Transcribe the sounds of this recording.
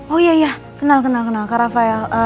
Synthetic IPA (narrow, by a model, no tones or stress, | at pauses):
ojaja | kinalkənalkənakaɾafaja